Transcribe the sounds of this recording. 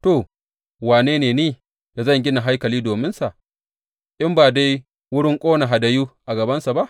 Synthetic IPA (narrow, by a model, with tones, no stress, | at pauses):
to˨ | waː˨neː˦neː˨niː˦ | d̥a˨zɐ˦˨ŋɡʲɪ˦na˨ɦa˦jkɐ˨liː˦doː˨mɪ˦nsa˨ʔ | ʔɪ˦mbaː˨da˦j | wʊ˦ɽɪ˦ŋkʷʼoː˦na˨ɦa˨da˨juː˦ʔa˨ɡɐ˨bɐ˦nsa˨ba˦ʔ